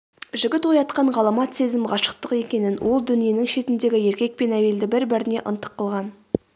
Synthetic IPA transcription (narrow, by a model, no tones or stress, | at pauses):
ʒɪɡʲɪt̪wojɑt̪̚qɑɴʁɑlˠɑmɑt̪se̞zɪmʁɑʃə̥q̚t̪əqe̞kʲe̞nɪnwʔo̞lˠd̪ʏnije̞nɪŋʃe̞t̪ɪnd̪e̞ɡʲɪje̞ɾkʲe̞k̚pe̞næje̞ld̪ɪbɪɾbɪɾɪne̞ʔə̰nt̪ə̥qːəlˠʁɑn